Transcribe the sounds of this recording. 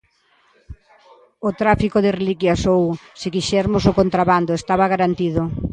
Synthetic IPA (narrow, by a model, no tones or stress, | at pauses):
ot̪ɾafikoðɪrelikjasowsɪkiʃɛɾmʊsʊkont̪ɾaβand̪ʊest̪aβɐɣaɾant̪iðʊ